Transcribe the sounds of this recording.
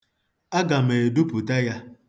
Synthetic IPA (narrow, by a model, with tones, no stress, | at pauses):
a˦ɡa˨me˨du˦pu˨ta˦ja˦